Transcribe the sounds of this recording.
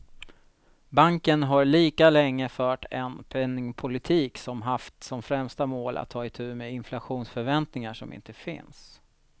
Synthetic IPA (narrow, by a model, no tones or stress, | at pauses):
baŋkənɦaɾɭiːkalɛŋːəfœːʈɛnpʰɛnːɪŋpʰʊlɪt̪ʰiːksɔmɦaft̪sɔmfɾɛmst̪amoːlʔa̰t̪ʰːɑːɪt̪ʰʉ̟ːmeɪnflaɧuːnsfœɾvɛnt̪nɪŋaʂɔmɪ̰nt̪əfɪ̰ns